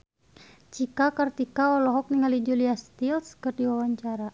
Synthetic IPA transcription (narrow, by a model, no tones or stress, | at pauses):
t͡ʃikakərt̪ikaɔlɔɦɔk̚niŋalid͡ʒuliast̪ilskərdiwawaɲt͡ʃaɾa